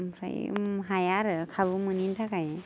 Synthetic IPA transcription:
mʰɾa̰j̰mɦajaɾɯkʰabumɯnintʰakaj

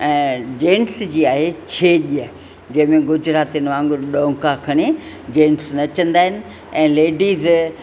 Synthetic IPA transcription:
ɛ̃ːd͡ʑẽːnsd͡ʑiːaːɦet͡ɕʰeʄiə | d͡ʑɐ̃ɦɪ̃mẽɡʊd͡ʑɾaːt̪inʋãːŋɡʊɾɗõːkakʰɐɽ̃i | d͡ʑẽːnsnɐt͡ɕɐ̃nd̪aːɦɪnɪ̆ | ɛ̃ːleːɖiːz

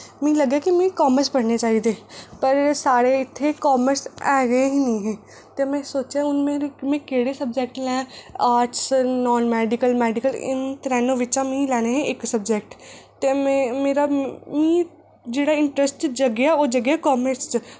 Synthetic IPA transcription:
mɛ̃ːləɡjaːkimɛ̃ːkɔːməɾspəɽneːt͡ʃaːiːd̪eːpəɾsaːɽeːɪt̪ʰːeːkɔːməɾsɛːɡəeɦinĩːɦɛ̃ː | t̪emɛ̃ːsoːt͡ʃãʊnmeːɾemẽːkeːɽeːsəb̚d͡ʒeːkʈlɛ̃ːaːɾʈsnɔːnmɛːɖɪkəlmɛːɖɪkəlɪ̰nt̪əɾɛːnõːʋɪt͡ʃãːmĩlɛːneɦɛ̃ʔɪksəbd͡ʒeːkʈt̪eːmɛ̃ːmeːɾaːmĩː | d͡ʒeːɽaːɪɳʈɾəsʈt͡ʃd͡ʒəɡjaːoːd͡ʒəɡjaːkɔːməɾst͡ʃ

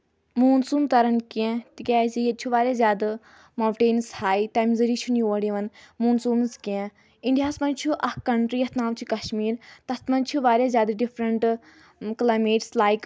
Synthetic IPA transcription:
muːnsuːmt̪ɐɾɐnkɛ̃t̪ikʲaːzijɐt͡ʃʰuʋaːɾʲjaːzjaːd̪a | maːwʈeːnshaːit̪aːmzɐɾiːt͡ʃʰunjoɽiʋɐnmuːnsuːmskʲẽ | iɳɖijaːsmɐnt͡ʃʰuʔɐhkɐɳʈɾiːjɐt̪naːmt͡ʃʰukɐʃmiːɾt̪ɐt̪mɐnt͡ʃʰuʋaːɾʲjaːzʲjaːd̪ɐɖifʰɾɐɳʈ | klaːjmeːʈslaːjk

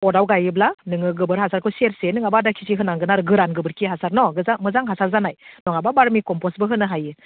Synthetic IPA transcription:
ɔdawɡajɯblanɯŋɯɡɯbɯɾɦasaɾkʰɯseɾsenɯŋabadakʰisiɦɯnaŋɡɯnaɾɯɡɯɾanɡɯbɯɾkʰiɦasaɾnɔɡɯzamɯzaŋɦasaɾzanajnɔŋababaɾmikɔmpɔsbɯɦɯnɯɦajɯ

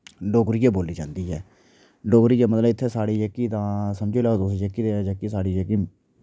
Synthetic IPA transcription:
loːɡɾiːjeːboːliːd͡ʒã̰ːnd̪iːɦɛː | loːɡɾiːd͡ʒaːmət̪ləbɪt̪ʰːeːsaːɽiːd͡ʒɛkːiːt̪ãːsəmd͡ʒeːlaːd̪oːsid͡ʒəkːiːd̪ed͡ʒəkːisaːɽiːd͡ʒekiː

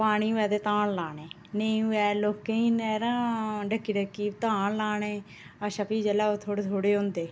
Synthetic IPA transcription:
paːɽ̃iːɛːd̪eːt̪ãːɳlaːneː | nẽuɛːloːkːẽinɛːɾãːɖəkːiːɖəkːiːt̪ãːɳlaːɳeː | əʃəpiːd͡ʒəlaːot̪ʰoːɽet̪ʰoːɽeːʊ̃nd̪eː

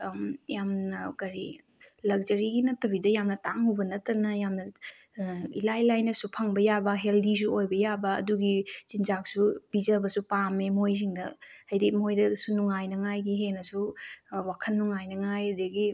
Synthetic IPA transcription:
mjamnɐkɐɾi | lɐk̚zɐɾiɡinɐtʰːɐβidɐjamnɐtaŋhubɐnɐtːɐnɐjamnɐ | ilajlajnɐsupʰɐŋbɐjabɐɦeldis̬uojbɐjabɐ̰ːduɡiz̥inzak̚sub̥izɐbɐsupamemojs̬iŋdɐhɐjdik̚mojdɐsunuŋajnɐŋajɡiɦenɐsuwakʰɐnːuŋajnɐŋajdiɡi

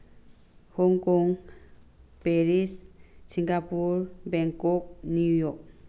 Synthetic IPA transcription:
hɔŋkɔŋ | peɾissiŋɡapuɾbɛŋkɔk̚nujɔk̚

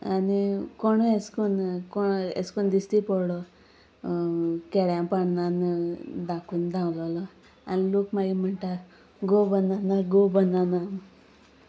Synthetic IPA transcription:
anikoɳoeskunkoḛskund̪ist̪ipɔɽɽɔ | kɛɽjãpaɳnand̪akund̪ãwlɔlɔ | anilokmaɡim̤əɳʈaɾ | ɡobənanaɡobənana

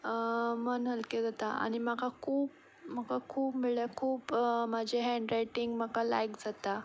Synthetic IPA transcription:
mənɦəlked͡zat̪aa̰ɽ̃imakʰakʰuːp | makʰakʰuːpmiɭakʰuːpmad͡ʑʱeɦɛ̃ɳɖɾajʈiŋɡmakala̰jkd͡zat̪a

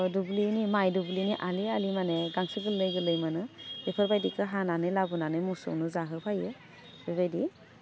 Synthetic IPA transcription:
dublinimajdubliniʔalialimaneɡaŋsɯɡɯlɯjɡɯlɯjmanɯbepʰaɾbajdikɯɦananɯlabunanɯmusɔ̰wnɯzaɦɯpʰajɯ | bebajdi

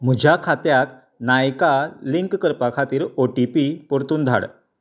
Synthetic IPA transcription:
m̤ud͡ʑʱakʰat̪jak | najkaliŋkːəɾpakʰat̪iːɾoʈipipoɾt̪uːnd̪ʱa̰ɽ

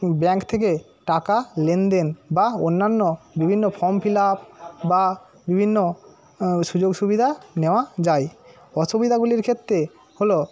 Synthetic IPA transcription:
bɛŋkt̪ʰek̬e | ʈakalend̪enbaonːanːobibʱinːofʰɔmpʰilapba | bibʱinːo | ʃud͡ʑoɡʃubid̪ʱaneoad͡ʑaj | ɔʃubid̪ʱaɡuliɾkʰet̪ːɾe | holo

